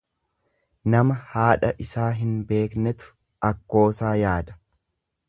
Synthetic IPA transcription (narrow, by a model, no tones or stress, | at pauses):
nɐmɐhaːᶑɐʔɪsaːɦɪnbe̞ːknɛt̪ʊ̥ | ʔɐkːo̞ːsaːjaːd̪ɐ̥